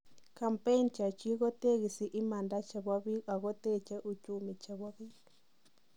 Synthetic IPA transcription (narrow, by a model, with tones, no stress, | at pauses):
ka˨mpe˦nt͡ʃa˨t͡ʃi˦ɣɔ˦t̪e˦˨ɣi˨si˨ʔi˦ma˨nda˦t͡ʃa˨ɣwa˦βi˦a˨ɣɔ˦t̪ɛ˦t͡ʃɛ˦ʔu˨t͡ʃu˨mi˨t͡ʃa˨ɣwa˦βi˦li˨